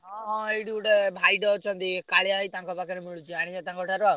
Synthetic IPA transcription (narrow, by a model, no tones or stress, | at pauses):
ɦɔ̃ɦɔ̃eɽiuʈebʱajɖɔt͡ʃʰɔnt̪ikaɭjaɦit̪ãŋkɔpakɔɾemuɽud͡ʒiaɽ̃id͡ʒat̪aŋkɔʈʰaɾa